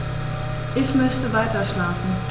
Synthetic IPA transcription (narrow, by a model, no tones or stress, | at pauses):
ʔɪçmœstəʋajtəʃlaːfn̩